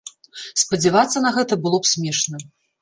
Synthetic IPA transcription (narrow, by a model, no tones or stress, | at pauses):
spɐd͡zʲɛvat̪sːɐnɐɣɛt̪ɐbɨlˠɔpsʲmʲɛʂnɐ